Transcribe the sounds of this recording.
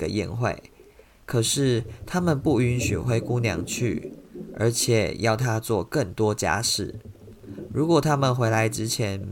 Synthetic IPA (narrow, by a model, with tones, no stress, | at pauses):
ə˨jḭ˥˨nxwḛ˥˨˩ɪ | kʰɤ˨˩ʂɻ̩˥˩t̪ʰa˥mə˨npu˥˩y˧˥nɕy̰˨˩xwe˥ɪku˥ŋljɑ̰˧˥ŋt͡ɕʰy̰˥˩ə̰˞˧˥t͡ɕʰjɛ̰˨˩˦jɑ˥˩ʊt̪ʰa˥t͡swɔ˥˨kə˥˨˩ŋt̪wɔ˥t͡ɕja̰˥ʂɻ̩˥˩ | ɻu˧˥kwɔ˨˩t̪ʰa˥mə˨nxwe˧˥ɪla˧˥ɪʈ͡ʂɻ̩˥t͡ɕʰjɛ˧˥n